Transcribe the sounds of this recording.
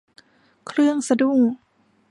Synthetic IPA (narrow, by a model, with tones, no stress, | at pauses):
kʰɾɯ˥˩əŋsa˧du˥˩ŋ